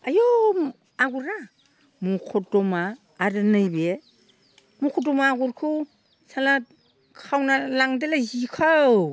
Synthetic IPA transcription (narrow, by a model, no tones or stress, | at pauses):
ajo | aɡuɾa | mukʰɔdɔmaː | ɾɯnɯjbe | mukʰɔdɔmaːɡuɾkʰu | sala | kʰawnalaŋdelazikʰaw